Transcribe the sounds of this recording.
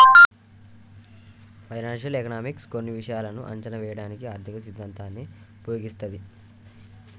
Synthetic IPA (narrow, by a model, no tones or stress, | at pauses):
pʰɐjnaːnʂɐlekɐnaːmikskonːiʋiʂɐjaːlɐnuʔɐ̰ɲt͡ʃɐnɐʋɛːjɐɽaːnikiaːɾt̪ʰikɐsid̪ʱːaːnt̪aːnːiupɐjoːɡist̪ɐd̪i